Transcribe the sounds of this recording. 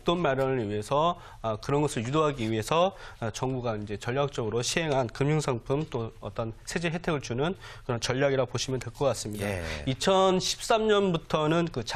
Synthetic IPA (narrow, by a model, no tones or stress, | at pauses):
t͈onmaɾjʌnɯɭɥiɦe̞sʰʌː | kɯɾʌnɡʌsʰɯɭjudoɦaɡiɥiɦe̞sʰʌt͡ɕʌŋbuɡaind͡ʑe̞t͡ɕʌʎjak̚t͡ɕ͈ʌɡɯɾoɕʰiɦe̞ŋɦankɯmuŋsʰaŋpʰumt͈oʌt͈ʌnsʰe̞d͡ʑe̞ɦe̞tʰe̞ɡɯɭt͡ɕunɯnkɯɾʌnt͡ɕʌʎːaɡiɾapoɕʰimjʌntweɭk͈ʌk͈as͈ɯmɲidait͡ɕʰʌnɕʰi̥p̚s͈amɲʌnbutʰʌnɯnkɯt͡ɕ